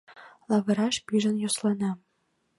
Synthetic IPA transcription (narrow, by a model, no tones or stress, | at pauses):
lˠɑβɤ̆ɾɑʃpiʒə̆njoslˠɑnɑ